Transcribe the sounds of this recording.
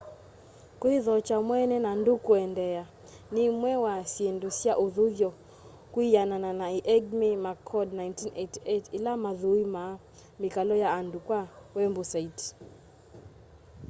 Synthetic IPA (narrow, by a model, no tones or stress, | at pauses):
kwiðɔt͡ʃamwɛnɛnandukuɛndɛa | nimwɛwasjendusjaʔoðuɡjɔ | kwijanananaiʔɛɡmimakʰɔdnajntinʔetietilamaðuima | mikalɔjaːndukwawɛmbosait